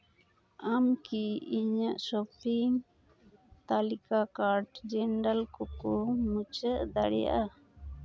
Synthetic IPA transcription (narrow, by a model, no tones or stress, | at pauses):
amkiiɲaʔsɔpiŋ | t̪alikakaɾɖd͡ʒɛnɖalkɔkɔmut͡ʃəʔd̪a̰ɽɛ̰ja̰ʔa